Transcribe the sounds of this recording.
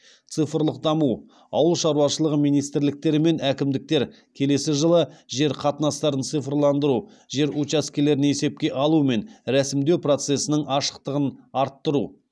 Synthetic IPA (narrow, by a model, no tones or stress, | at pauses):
t̪sɨjfəɾlˠəq̚d̪ɑmu | ɑ̰wəlˠʃɑɾuwɑʃəlˠəʁəmijnijst̪ɪɾlɪk̚t̪e̞ɾɪme̞nækʲɪmd̪ɪk̚t̪e̞ɾ | kʲʰe̞le̞sɪʒəlˠəʒe̞ɾqʰɑt̪nɑst̪ɑɾənt̪sɨjfrlˠɑnd̪əɾu | ʒe̞ɾut͡ʃaskʲele̞ɾɪneese̞p̚kʲe̞ʔɑlˠume̞nɾæsɪmd̪ewpro̞t̪se̞sɪnɪŋɑʃə̥qt̪əʁənɑɾt̪ːəɾṵ